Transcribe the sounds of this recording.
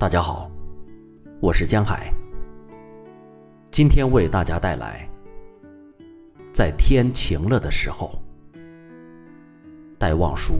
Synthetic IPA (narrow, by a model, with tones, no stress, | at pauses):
t̪a˥˩t͡ɕja˥xɑ˨˩˦ʊ | wɔ˨˩ʂɻ̩˥˩t͡ɕjɑ˥ŋxa̰˨˩˦ɪ | t͡ɕi˥nt̪ʰjɛ˥nwe˥˧ɪt̪a˥˩t͡ɕja˥t̪a˥˩ɪlʔa̰˧˥ɪ | t͡sa˥˩ɪt̪ʰjɛ˥nt͡ɕʰi˧˥ŋlɤ˥˩d̪ə˩ʂɻ̩˧˥xo˧ʊ | t̪a˥˧ɪwɑ̰˥˩ŋʂu˥